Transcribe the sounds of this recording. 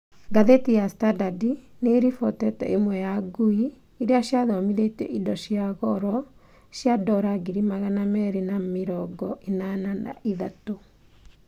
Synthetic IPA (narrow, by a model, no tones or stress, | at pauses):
ɡaðetijastadadineɾifɔtɛtɛ̰ʔemwɛjaɡui | iɾeaɕjaðɔmiðetɛ̰ʔidɔɕjaɣɔɾɔ | ɕjadɔɾaɡiɾimaɣanamɛɾenameɾɔɡɔenanana̰ʔiðato